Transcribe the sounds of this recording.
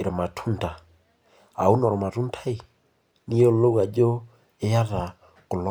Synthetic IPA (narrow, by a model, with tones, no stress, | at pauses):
e˨ɾe˨ma˨tʰu˦nta˨ | a̰˨u˦nɔ˨ɾɔ˨ma˨tu˦ntʰa˦i˨ | ni˦o˦lo˦ɣa˨d͡ʒo˦ | e˦ja˦ða˨ | ko˨l